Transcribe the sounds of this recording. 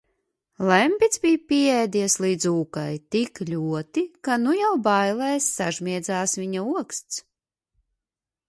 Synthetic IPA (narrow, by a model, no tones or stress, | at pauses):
lˠɛmʲpʲit̪zbʲijpʲiɛɛjd̪iɛslˠiːd̪zuːkajt̪iklʲuɔt̪ikanujawbajlˠɛjsːaʒmʲiɛd̪zaːsviɲauɔkst̪s